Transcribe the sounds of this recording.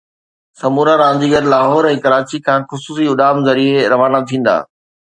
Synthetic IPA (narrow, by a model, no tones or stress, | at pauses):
sɐmuːɾaɾãːɲd͡ʑiɡɐɾlaːɦɔːɾɛ̃ːkɐɾaːt͡ɕikʰãːxʊsuːsiʊɗaːmzɐɾieɾɐʋaːnat̪ʰĩːn̆d̪a̰ː